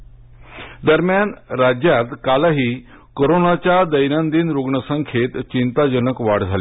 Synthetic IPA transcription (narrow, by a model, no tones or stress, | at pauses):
d̪əɾmjanɾad͡ʑjat̪kalaɦiː | koɾonat͡ɕad̪əjnãnd̪inɾoɡɳəsə̃ŋkʰeːt̪t͡ɕint̪ad͡ʒənəkʋaɽd͡zʱale